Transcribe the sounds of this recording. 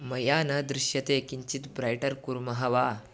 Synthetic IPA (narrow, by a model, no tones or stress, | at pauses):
mɐjanad̪ɾiɕjɐt̪ekiɲt͡ɕit̪bɾajʈəɾkuɾmɐɦaʋa